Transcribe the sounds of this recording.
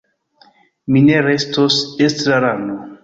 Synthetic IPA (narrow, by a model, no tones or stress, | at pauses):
mineɾestosestɾaɾano